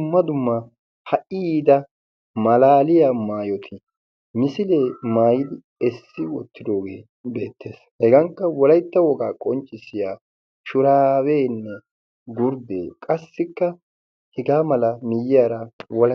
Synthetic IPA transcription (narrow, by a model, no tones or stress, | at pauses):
ʊmːɐd̪ʊmːɐ | hɐʔid̪ɐ | mɐlaːlɪjamaːjɔt̪ʰɪ | mɪsɪleːmaːjɪd̪ɪ | ɛsːɪwɔt̪ʰːɪd̪o̞ːɡe̞̰ː | be̞ːt̪ːe̞ːshɛɡɐŋkːɐwɔlɐjt̪ːɐwɔɡaːkʼɔnt͡ʃʼːɪsɪjaː | ʃʊɾaːweːnːɛ | ɡʊɾd̪ḛːkʼɐsːɪkːɐ | hɛɡaːmɐlɐmɪjɪjaːɾɐwɔlɐ